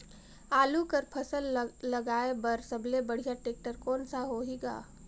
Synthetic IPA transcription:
aːlukəɾpʰɐsəlːɐɡaːebəɾsəblebəɽ̤ijaʈeːk̚ʈəɾkɔːnsaɦoɦiɡa̰ː

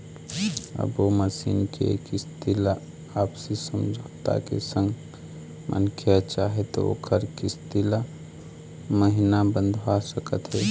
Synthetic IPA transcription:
ə̰boməsinkḛkist̪ila | aːbsisəmd͡ʒʱot̪a̰kḛsə̃ŋɡ | mʔə̰nkʰjət͡ʃaɦet̪o̰o̰ːkʰəɾkist̪ila | məɦinabənd̪ʱwasəkət̪ɦɛ

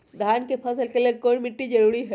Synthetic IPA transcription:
d̪ʱaːnkepʰɐsəlkelekoːɾmɪʈːid͡ʒɐɾuːɾiɦɛ

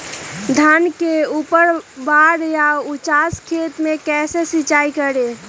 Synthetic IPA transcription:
d̪ʱankeupəɾbaɾjaut͡ʃaskʰet̪mekɛsesit͡ʃaikəɾe

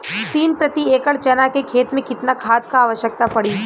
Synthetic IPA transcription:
t̪iːnpɾət̪ieːkəɭt͡ʃɐnakekʰeːt̪mẽkɪt̪nakʰaːt̪kaːʋəʃjək̚t̪apɐɽi

